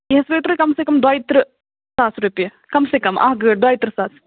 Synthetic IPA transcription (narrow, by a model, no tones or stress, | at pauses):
eɦɐsɾɐːt̪ɾɨkɐmseːkɐmd̪waːjit̪ɾɨ | saːsɾuːpjɐ | kɐmseːkɐmʔa̰ːɦɡɨːɖ̚d̪waːjt̪ɾɨsaːs